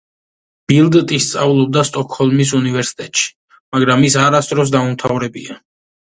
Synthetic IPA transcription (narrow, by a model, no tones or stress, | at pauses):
b̥ilˠd̪t̪ʼist̪sʼavulˠɔb̚d̪ast̪ʼɔkʰhɔlˠmis̬univɛɾsi̥t̪ʼɛt̪ʼʃi̥ | maɡɾamis̬aɾasd̪ɾɔs̬d̪aumt̪ʰavɾɛbḭa